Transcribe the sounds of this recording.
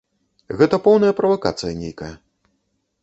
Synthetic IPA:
ɣɛt̪ɐpɔwn̪ɐjɐpɾɐvaka̰t̪sɨjɐnʲejkɐjɐ

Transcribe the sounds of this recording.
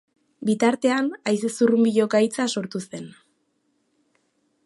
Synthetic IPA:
bit̪aɾt̪e̞anajsesurumbiʎo̞kajt͡saso̞ɾt̪use̞n

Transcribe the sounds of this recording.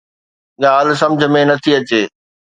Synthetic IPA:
ɠaːl̤̆sɐ̃md͡ʑʱə̆mẽnɐt̪ʰiɐt͡ɕeː

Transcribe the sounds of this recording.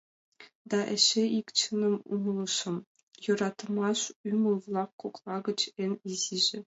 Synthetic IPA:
d̪ɑʔɘ̆ɕeikt͡ɕɯnɤ̆mṵmlˠɤʂɤ̆m | jɤ̆ɾɑt̪mɑʂymulˠvlˠɑqːuklˠɑɡɤ̆t͡ɕɘ̆nʲiziʒɘ̆

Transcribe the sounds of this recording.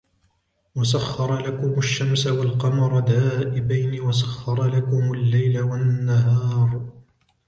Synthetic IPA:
was̬axːɑɾˤɑlakʊmaʃːamsawalqɑmɑɾˤɑd̪aːʔɪbajniwas̬axːɑɾˤɑlakʊmalːajlawanːaɦɑːɾˤ

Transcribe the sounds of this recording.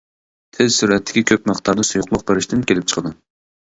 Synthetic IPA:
t̪ʰɪzsyɾɛt̪ʰːɪ̥kʲikʲʰøp̚mæχt̪ʰɑɾnɨsujʊqlˠʊq̚beɾɪʃt̪ʰɪnkʲʰelɪp̚t͡ʃʰə̥qʰəd̪ɨ

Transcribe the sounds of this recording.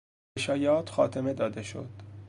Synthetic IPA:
eʃɒːjɒːt̪ʰxɒ̰ːt̪ʰeme̞d̪ɒːd̪eʃo̰d̪̥

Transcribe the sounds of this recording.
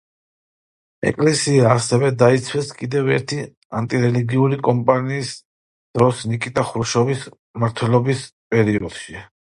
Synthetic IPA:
ɛ̰kʼlɛsiaːsɛvɛd̪ait̪sʰwɛskʼid̪ɛvɛ̰ɾt̪ʰi | a̰nt̪ʼiɾɛliɡiuɾikʼɔmpʼaniːs | d̪̥ɾɔsnikʼit̪ʼaχuɾuʃɔvis | maɾt̪ʰwɛlˠɔbispʼɛɾiɔd̪̥ʃi

